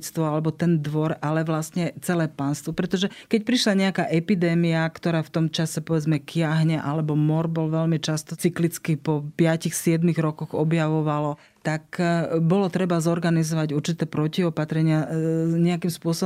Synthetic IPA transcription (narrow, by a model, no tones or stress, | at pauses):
t͡st̪ʋɔalɛbɔt̪ɛnd̪ʋɔɾalɛʋlast̪ɲɛt͡sɛlɛːpanst̪ʋɔpɾɛt̪ɔʒɛkɛc̚pɾiʃlaɲɛakaʔɛpid̪ɛːmiakt̪ɔɾaːft̪ɔmt͡ʃasɛpɔʋɛd͡zmɛkɪaɦɲɛʔalɛbɔmɔɾbɔlʋɛlmit͡ʃast̪ɔt͡siklit͡skipɔpɪacixsɪɛd̪miɣɾɔkɔɣɔbjaʋɔʋalɔ | t̪akbɔlɔt̪ɾɛbazɔɾɡanizɔʋaɟuɾt͡ʃit̪ɛːpɾɔciɔpat̪ɾɛɲɪaɲɛakimspʊɔsɔ